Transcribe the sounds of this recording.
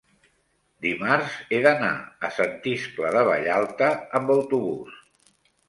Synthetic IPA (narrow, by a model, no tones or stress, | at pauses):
d̪imaɾzeðəna̰əsənt̪iskləðəβə̰ʎalˠt̪əːmbəwt̪uβus